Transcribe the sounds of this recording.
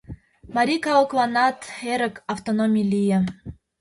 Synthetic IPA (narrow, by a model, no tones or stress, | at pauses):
mɑɾʲikɑoklɑnɑt̪eɾə̆kɑft̪onomʲilijə̆